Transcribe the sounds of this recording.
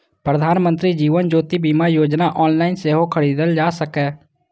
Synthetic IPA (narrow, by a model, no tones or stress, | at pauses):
pɾəd̪ʱaːnmə̃nt̪ɾiːd͡ʒiːʋənd͡ʒoːt̪iːbiːmaːjoːd͡ʒnaːʔɔːnlaːɪnseːɦokʰəɽiːd̪əld͡ʒaːsəkɛː